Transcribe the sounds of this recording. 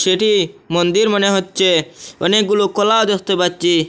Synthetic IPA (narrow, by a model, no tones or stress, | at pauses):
ʃeʈimɔnd̪iɾmɔneɦotːt͡ʃʰeɔnek̚ɡulokɔlaod̪exʰt̪epaɾt͡ʃi